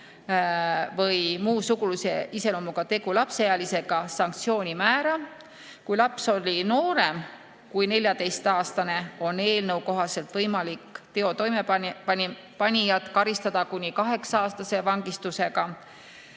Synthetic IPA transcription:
vɤjmuːsukuluse̞̰ise̞lomuɡ̥ɑt̪e̞ɡulɑpsejɑlise̞ɡ̥ɑsɑŋk̚t̪sio̞ːnʲimæːɾɑ | kujlɑpso̞lʲino̞ːɾe̞m | kujne̞lʲjɑt̪e̞jst̪ɑːst̪ɑne̞o̞ne̞ːlnəwko̞ɦɑse̞lt̪vɤjmɑlikːt̪e̞o̞t̪o̞jmeɑpɑnʲ | pɑnʲijɑt̪ːˑkɑɾist̪ɑd̪̥ɑkunʲikɑɦe̞ksɑɑːst̪ɑse̞vɑŋɡ̥ist̪use̞ɡ̥ɑ

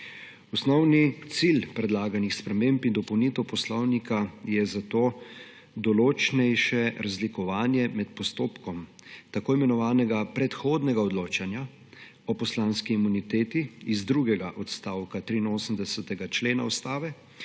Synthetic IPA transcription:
ɔsnɔwnit̪silpɾɛd̪laːɡanixspɾɛmempind̪ɔpɔwnit̪ɛwpɔslɔwnikajɛzat̪oː | d̪ɔloːt͡ʃnɛjʃɛɾazlikɔʋaːnjɛmɛt̪̚pɔst̪oːpkɔmt̪akoːimɛnɔʋaːnɛɡapɾɛt̪xoːd̪nɛɡaɔd̪loːt͡ʃanja | ɔpɔslaːnskiːmunit̪eːt̪iizd̪ɾuɡɛɡaʔɔt̪st̪aːwkat̪ɾiːnoːsəmd̪ɛsɛt̪ɛɡat͡ʃleːnaɔst̪aːʋɛ

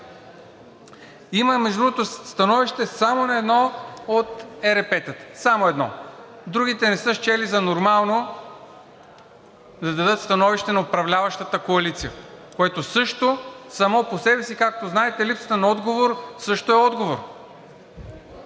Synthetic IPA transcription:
iməmɛʒd̪ɾuot̪ost̪ɐnɔviʃt̪ɛsamonɐɛd̪nɔot̪ɛɾɛpɛt̪ət̪samoɛd̪nɔ̰ | d̪ɾuɡ̟ʲit̪ɛnɛsɤʃt͡ʃɛlizɐnoɾmalˠno | d̪ɐd̪ɐd̪ɤt̪st̪ɐnɔviʃt̪ɛnɐopɾɐvlʲavɐʃt̪ət̪əkoɐlit̪sijəkoɛt̪osɤʃt̪osɐmɔposɛbɛsikak̚t̪oznaɛt̪ɛlipsə̥t̪ənɐɔd̪ɡovoɾsɤʃt̪oɛɔd̪ɡovoɾ

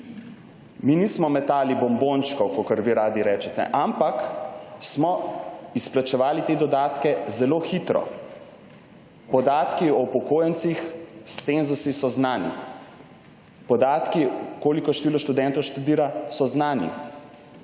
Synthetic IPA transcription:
minismɔmɛt̪aːlibɔmbont͡ʃkɔwkɔkəɾʋiɾaːd̪iɾɛːt͡ʃɛt̪ɛ̰ʔampaksmɔisplat͡ʃɛʋaːlit̪eːd̪ɔd̪aːt̪kɛzɛloːxit̪ɾɔ̰ | pɔd̪aːt̪kiɔupɔkoːjɛnt̪sixst̪senzusisɔznaːnḭ | pɔd̪aːt̪kikoːlikɔʃt̪iːlɔʃt̪ud̪ɛnt̪ɔwʃt̪ud̪iːɾasɔznaːnḭ

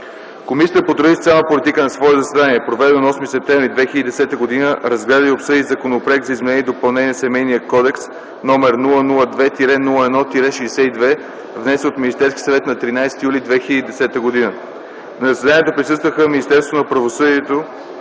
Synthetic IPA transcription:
komisʲit̪əpot̪ɾoist̪sʲalˠəpolʲit̪ikənɐsvɔɛzɐsɛd̪aniɛpɾovɛd̪ɛnonɔsmisɛp̚t̪ɛvɾid̪vɛxilʲəd̪id̪ɛsɛt̪əɡod̪inəɾɐzɡlɛd̪əiopsɤd̪izɐkonopɾɛk̪̚zɐizmɛnɛniɛd̪opəlˠnɛniɛsɛmɛjniəkɔd̪ɛks | nɔmɛɾnulˠənulˠəd̪vɛt̪iɾɛnulˠəɛd̪ɔt̪iɾɛʃiːsɛid̪vɛ | vnɛsɛot̪minist̪ɛɾskʲi̥sɐvɛt̪nɐt̪ɾinajsɛ̥t̪ijulʲid̪vɛxilʲəd̪id̪ɛsɛt̪əɡod̪inə | nzəsɛd̪aniɛt̪opɾʲisɤst̪vəxəminist̪ɛɾsvot̪onɐpɾɐvosɤd̪iɛt̪o

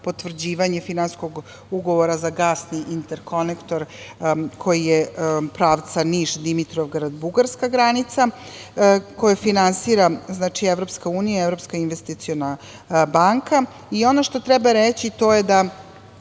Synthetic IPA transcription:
po̞t̪ʋr̩d͡ʑiːʋaɲefinansko̞ɡ | uɡoʋoɾazaɡaːsniʔint̪eɾkʰo̞nekt̪o̞ɾ | kʰo̞jijepɾaːʋt̪saniʃd̪imit̪ɾoʋɡɾad̪buɡaɾskaɡɾanit̪sa | ko̞jafinansiːɾaznat͡ʂieʋɾo̞pskauːnijaevɾo̞pskainʋest̪it̪siona | baŋka | io̞noʃt̪o̞t̪ɾɛbaɾet͡ɕit̪o̞jed̪a

